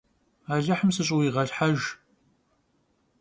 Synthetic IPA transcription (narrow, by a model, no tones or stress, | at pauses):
aɮaħəmsɨɕ̬ʼwiʁɐɮħaʒ